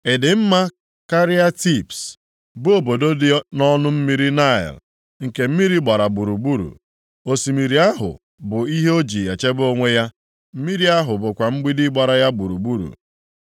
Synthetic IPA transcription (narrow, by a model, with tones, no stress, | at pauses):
ɪ˨dɪ˨m̩˦ma˦ | ka˦ɾi˦a˦ti˦˨ps | bʊ˦o˨bo˨do˦dɪ˦nɔ˦nʊ˦m̩˦mi˦ɾi˦na˦˨ɪ̰˨l | ŋ̩˨ke˨m̩˦mi˦ɾi˦ɡ͡ba˨ɾa˨bu˨ɾu˨bu˦ɾṵ˨ | o˨si˨mi˨ɾi˨˦a˦ɦʊ̰˨ | bʊ˨i˦ɦe˦o˦d͡ʒi˨e˨t͡ʃe˦bo˦ŋʷe˦ja˦ | m̩˦mi˦ɾi˦a˦ɦʊ˨bʊ˨kʷa˨m̩˦ɡ͡bi˦di˦ɡ͡ba˨ɾa˨ja˦bu˨ɾu˨bu˦ɾṵ˨